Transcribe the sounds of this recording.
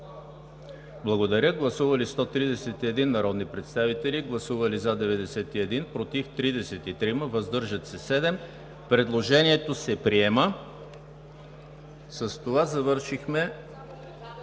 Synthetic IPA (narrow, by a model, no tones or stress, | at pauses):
blˠɐɡod̪ɐɾʲəɡlˠɐsuvɐlist̪ɔt̪ɾid̪ɛsɛt̪iɛd̪inːɐɾɔd̪nipɾɛt̪st̪avit̪ɛliɡlˠɐsuvəlizad̪ɛvɛd̪ɛsɛt̪iɛd̪inpɾot̪ift̪ɾid̪ɛsɛt̪it̪ɾiməvɐzd̪ɤɾʒət̪sɛsɛd̪ɛm | pɾɛd̪lˠoʒɛniɛt̪osɛpɾiɛmə | səst̪ovazɐvɤɾʃixmɛ